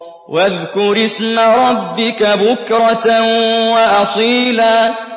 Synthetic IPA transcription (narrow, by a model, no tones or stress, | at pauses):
waðkʊɾɪsmaɾˤɑbːɪkabʊkɾˤɑt̪waʔɑsˤiːlaː